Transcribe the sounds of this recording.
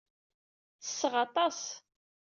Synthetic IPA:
θə̥sːəʁɑt̪ˤɑs

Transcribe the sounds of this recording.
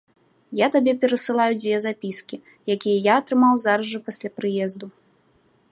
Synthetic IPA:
jat̪abʲɛpʲɛɾɐsɨlˠajud͡zʲvʲɛzapʲiskʲi | jakʲijɐjaɐt̪ɾɨmawzaɾɐʐɨpasʲlʲapɾɨjɛzd̪u

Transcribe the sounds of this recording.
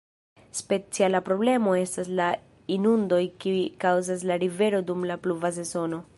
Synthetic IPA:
spe̞t͡sialapɾo̞ble̞mo̞e̞stasla | inundo̞jkiikawzas̬laɾive̞ɾo̞dumlapluvas̬e̞zo̞no̞

